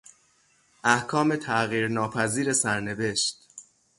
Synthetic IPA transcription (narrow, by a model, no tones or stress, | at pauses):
ʔæhkʰɒːme̞t̪ʰæɣiːɾnɒːpʰæziːɾe̞sæɾne̞ve̞ʃt̪